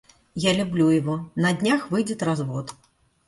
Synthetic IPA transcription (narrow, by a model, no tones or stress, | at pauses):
jalʲublʲujavɔnɐd̪ʲnʲaxvɨjd͡zʲɛt̪ɾazvɔt̪